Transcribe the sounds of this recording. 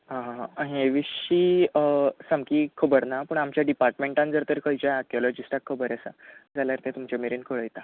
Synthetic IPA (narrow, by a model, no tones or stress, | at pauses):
ɦãɦãɦɦeʋiiː | samkiːkʰəbəɾnapəɳamt͡ɕjaɖipaɾʈmẽɳʈãnd͡zəɾt̪əɾkəjt͡ɕaakjɔlɔd͡ʑisʈakʰːəbəɾasa̰d͡zaljaɾt̪et̪umt͡ɕameɾiːnkəɭəjt̪a